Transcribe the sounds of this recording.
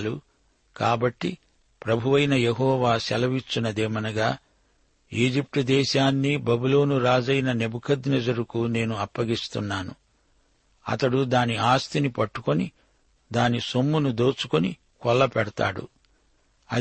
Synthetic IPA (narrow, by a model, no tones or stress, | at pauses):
lu | kaːbɐʈːi | pɾɐbʱuʋɐjnɐjeɦɔːʋaːsɛlɐʋit͡ʃːunɐd̪ɛːmɐnɐɡaː | iːd͡ʒip̚ʈɐd̪ɛːʃaːnːibɐbuloːnuɾaːd͡ʒɐjnɐne̞bukʰɐd̪nɛd͡ʒɐɾukune̞ːnuɐpːɐɡist̪unːaːnṵ | ɐ̰t̪ɐɽud̪aːniaːst̪inipɐʈːu̥koni | d̪aːnisomːunud̪o̞ːt͡ʃu̥koni | kɔlːɐpɛɽɐt̪a̰ːɽṵ | ɐ